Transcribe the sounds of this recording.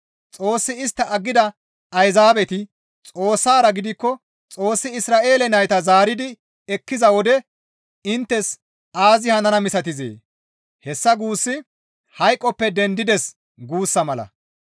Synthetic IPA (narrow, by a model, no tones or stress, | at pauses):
t͡sʼo̞ːsːɪɪst̪ːɐʔɐɡːɪd̪ɐ | ɐjzaːbɛt̪ɪ | t͡sʼo̞ːsːaːɾɐɡɪd̪ɪkːɔ | t͡sʼo̞ːsːɪɪsɾaːʔe̞ːlɛnɐjt̪ɐzaːɾɪd̪ɪ | ɛkːɪzɐwɔd̪ɛ | ɪnt̪ːɛs | aːzɪhɐnɐnɐmɪsɐt̪ɪzḛː | hɛsːɐɡuːsːɪ | hɐjkʼːɔpːɛd̪ɛnd̪ɪd̪ɛs | ɡuːsːɐmɐlɐ̰